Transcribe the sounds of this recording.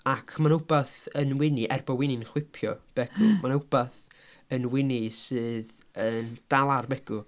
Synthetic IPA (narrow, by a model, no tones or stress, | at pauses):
akʰmanʊb̥aθənwɪniʔɛrbɔwɪnɪnχwɪpʰjɔb̥ɛɡ̥ʊmanʊb̥aθ | ənwɪnisɨːð | ənd̥alˠarbɛɡ̥ʊ